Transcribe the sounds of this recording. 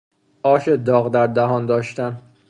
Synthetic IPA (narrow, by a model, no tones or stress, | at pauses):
ʔɒːʃed̪ɒːɣd̪æɾd̪æɦɒːnd̪ɒːʃt̪æn